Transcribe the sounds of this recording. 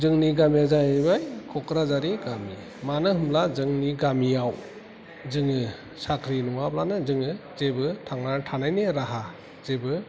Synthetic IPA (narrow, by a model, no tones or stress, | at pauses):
zɯŋniɡamiazajabajkʰɔkʰɾazaɾiɡami | manɯhɯmlazɯŋniɡamijaw | zɯŋɯ | sakʰɾinɔŋaplanɯzɯŋɯzebɯtʰaŋnaɾtʰanajneɾaɦa | zebɯ